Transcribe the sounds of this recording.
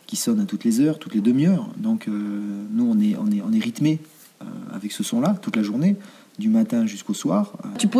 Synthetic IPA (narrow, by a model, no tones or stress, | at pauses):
kʲisɔnat̪ut̪lezœʁt̪ut̪led̪əmijœːʁd̪ɔ̃kʰønuɔ̃nɛʔɔ̰̃nɛɔ̃nɛʁit̪me | ø̰a̰vɛksəsɔ̃lat̪ut̪laʒuʁne | d̪ymat̪ɛ̃ʒyskoswaːʁt̪yp